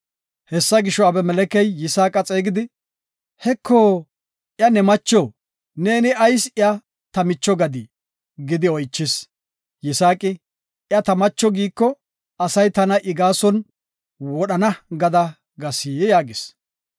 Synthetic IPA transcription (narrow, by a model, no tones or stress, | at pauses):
hɛsːɐɡɪʃɔɐbɛmɛlɛkɛjːɪsaːkʼɐt͡sʼeːɡɪd̪ɪ | hɛkʰːoː | ʔjɐnɛmɐt͡ʃːoː | ne̞ːnɪɐjsɪɐ | t̪ɐmɪt͡ʃːɔɡɐd̪ɪ | ɡɪd̪ɪɔjt͡ʃːɪs | jɪsaːkʼɪ | ʔjɐt̪ɐmɐt͡ʃːɔɡiːkːɔ | ɐsɐjt̪ɐnɐʔɪɡaːsɔn | wɔɗɐnɐɡɐd̪ɐ | ɡɐsijjaːɡɪs